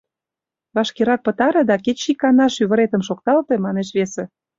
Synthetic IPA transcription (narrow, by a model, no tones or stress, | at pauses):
βɑʃkeɾɑk̚pə̆t̪ɑɾɤ̆d̪ɑket͡ɕikɑnɑʃyβə̆ɾet̪ə̆mʃok̚t̪ɑlt̪emɑneʃβesĕ